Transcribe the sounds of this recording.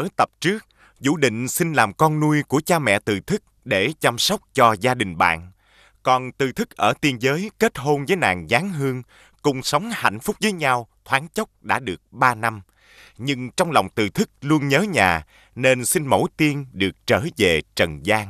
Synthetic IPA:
ʔəː˧˦t̪ə˨˩p̚t͡ɕɨ˦˥ək̚ | zṵ˧˩ɗḭ̈˧˨ŋ̟sï˧n̟laː˨˩mkɔ˧nnu˧əjku˧˩ət͡ɕaː˧mɛ̰˧˨t̪ɨ̰˨˩t̪ʰɨ˦˥k̚ɗe˧˩t͡ɕa˧msɔ˦˥wk͡p̚t͡ɕɔ˧zaː˧ɗï˨˩ŋ̟ɓa̰ː˧˨n | kɔ˨˩nt̪ɨ˧˩t̪ʰɨ˦˥k̚ʔəː˧˩t̪i˧ənzəː˨˦jke˦˥t̚ɦo˧nvəː˨˦jna̰ː˨˩ŋzaː˨˦ŋɦɨ˧əŋ | kʊ˧˩ŋ͡msə˨˦wŋ͡mha̰˧˨jŋ̟fʊ˦˥k͡p̚vəː˨˦jɲa˧wt̪ʰwaː˨˦nt͡ɕə˦˥k͡p̚ɗa̰ː˧˥ɗɨ˨˩ək̚ɓaː˧na˧m | ɲɨ˧ŋt͡ɕɔ˧wŋ͡mlɔ˨˩wŋ͡mt̪ɨ̰˨˩t̪ʰɨ˦˥k̚lu˧ənɲəː˨˦ɲaː˨˩ | ne˧nsi˧nmo̰˧˩jt̪i˧ənɗɨ˨˩ək̚t͡ɕəː˧˩ve˨˩t͡ɕə˨˩nzaː˧ŋ

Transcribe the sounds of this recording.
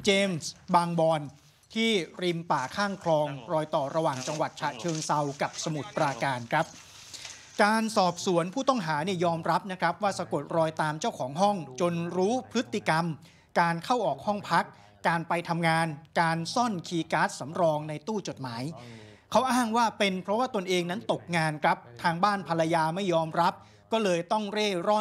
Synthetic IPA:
t͡ɕeː˧msbaː˧ŋbɔː˧n | t̪ʰiː˥˩ɾi˧mpaː˨˩kʰaː˥˩ŋkʰlɔː˧ŋɾɔː˧jt̪ɔː˨˩ɾa˧waː˨˩ŋt͡ɕa˧ŋwa˨˩t̪̚t͡ɕʰa˨˩t͡ɕʰɤː˧ŋsa˧wka˨˩p̚sa˧mu˨˩t̪̚pɾaː˧kaː˧nkʰɾa˦˥p̚ | kaː˧nsɔː˨˩p̚su˨˩˦ənpʰuː˥˩t̪ɔ˥˩ŋɦaː˩˦niː˥˩jɔː˧mɾa˦˥p̚na˦˥kʰɾa˦˥p̚waː˥˩sa˧ko˨˩t̪̚ɾɔː˧jt̪aː˧mt͡ɕa˥˩wkʰɔː˩˦ŋɦɔ˥˩ŋt͡ɕo˧nɾuː˦˥pʰɾɯ˦˥t̪ʰːi˨ka˧m | kaː˧nkʰa˥˩wʔɔː˨˩k̚hɔ˥˩ŋpʰa˦˥k̚ː | aː˧npa˧jt̪ʰa˧mŋaː˧nkaː˧nsɔ˥˩nkʰiː˧kaː˦˥t̪̚sa˩˦mɾɔː˧ŋna˧jt̪uː˥˩t͡ɕo˨˩t̪̚maː˩˦j | kʰa˦˥wʔaː˥˩ŋwaː˥˩pe˧npʰɾɔ˦˥waː˥˩t̪o˧nʔeː˧ŋna˦˥nt̪o˨˩k̚ŋaː˧nkʰɾa˦˥p̚t̪ʰaː˧ŋbaː˥˩npʰa˧la˧jaː˧ma˥˩jːɔː˧mɾa˦˥p̚ | kɔː˥˩lɤː˧jt̪ɔ˥˩ŋɾeː˥˩ɾɔ˥˩

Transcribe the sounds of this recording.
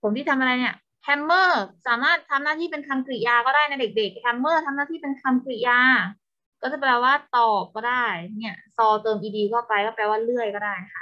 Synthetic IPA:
pʰo˩˦mt̪iː˥˩a˧mʔa˧ɾa˧jni˥˩ɐ | kʰɛ˧mːɤː˥˩saː˩˦maː˥˩t̪ʰːa˧mnaː˥˩t̪ʰiː˥˩pe˧nkʰa˧mkɾi˧˩jaː˧kɔː˥˩ɾaː˥˩jna˧jde˨˩k̚de˨˩k̚hʰɛ˧mːɤː˥˩t̪ʰa˧mnaː˥˩iː˥˩pe˧nkʰa˧mkɾi˧˩jaː˧ | kɔː˥˩t͡ɕa˧˩plɛː˧˩waː˥˩t̪ɔː˨˩p̚kɔː˥˩daː˥˩jni˥˩ɐsɔː˧t̪ɤː˧mʔiː˧diː˧kɔː˥˩pa˧jkɔː˥˩plɛː˧waː˥˩lɯ˥˩əjkɔː˥˩daː˥˩jkʰa˦˥˩

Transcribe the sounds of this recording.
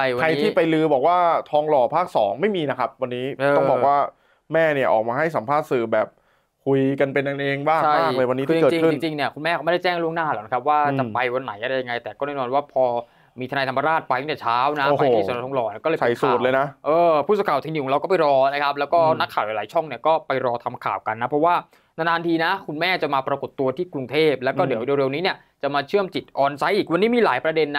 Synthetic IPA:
a˥˩jwakʰa˧jti˦˥iː˥˩pa˧jlɯː˧bɔː˨˩k̚waː˥˩t̪ʰɔː˧ŋlɔː˨˩pʰaː˥˩k̚sɔː˩˦ŋma˥˩jmiː˧na˦˥kʰa˦˥p̚wa˧nːiː˦˥ɤː˧ɔ˥˧˩bɔː˨˩k̚waː˥˩ | mɛː˥˩ni˧˩ʔɔː˨˩maː˧ɦa˥˩jsa˩˦mpʰaː˥˩t̪̚sɯː˨˩bɛː˨˩p̚ | kʰu˧jka˧npe˧nja˧ŋʔeː˧ŋbaː˥˧˩a˥˩aː˥klɤː˧jwa˧niː˦˥kɯː˥˧t͡ɕːt͡ɕi˧kʰɯ˥i˧nŋt͡ɕi˧ŋni˧˩ɐkʰu˧nmɛː˥˩kʰma˥˩da˥˩jt͡ɕɛː˥˩ŋlu˥˩əŋnaː˥˩lɛː˨˦wna˦˥kʰa˦˥p̚waː˥˩t͡ɕa˨˩pa˧jwa˧nːa˩˦jʔa˨ɾa˧˩ja˧ŋa˧jt̪ɛː˨˩kɔː˥˩nɛː˥˩nɔː˧nwaː˥˩pʰɔː˧ | miː˧t̪ʰnaː˧jt̪ʰa˧mːa˧ɾaː˥˩t̪̚pa˧ja˥˩ɛː˨˩t͡ɕʰaː˦˥wna˦˥˧a˧jtʰːa˨˩˦ɾa˧˩t̪ʰɔ˧lɔː˧˩ni˥˩kɔː˥˩ɤː˧˦a˧˨˩suː˨˩t̪lɤː˧jna˦˥ʔɤː˧pʰu˥˩t̪̚skʰa˨˩wt̪ʰi˧niː˧˩ɔ˨˦ɾa˧wkɔː˥˩pa˨jɾɔː˧na˦˥kʰa˦˥p̚lɛ˦˥wkɔː˥˩na˦˥kʰaː˨˩wla˨˦laː˩˦jt͡ɕʰɔ˥˩ŋni˥˩ɐkɔː˥˩pa˧jɾɔː˧t̪ʰa˧mkʰa̰ː˨˩wka˧nːa˦˥pʰɾɔ˦˥waː˥˩ | na˧naː˧nt̪ʰiː˧na˦˥kʰu˧nmɛː˥˩t͡ɕa˨˩maː˧pɾa˧ko˨˩t̪ːu˧ɐt̪ʰiː˥˩kɾu˧ŋt̪ʰeː˥˩p̚lɛː˦˥wkkɔː˥˩di˨˩˦wde˧wɾe˧wniː˦˥ni˥˩ɐ | t͡ɕa˨˩maː˧t͡ɕʰɯ˥˩əmt͡ɕi˨˩t̪̚ʔɔː˧nsa˦˥jʔiː˨˩k̚wa˧niː˦˥miː˧laː˨˩˦jpɾa˧de˧nː˦˥

